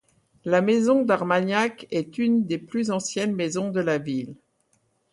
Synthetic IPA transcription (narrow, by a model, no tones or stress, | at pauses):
lamezɔ̃d̪aʁmaɲjakɛt̪ynd̪eplyzɑ̃sjɛnmezɔ̃d̪əlavil